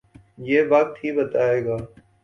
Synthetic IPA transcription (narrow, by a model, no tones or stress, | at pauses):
jeːʋək̚t̪ʰiːbət̪aːeːɡaː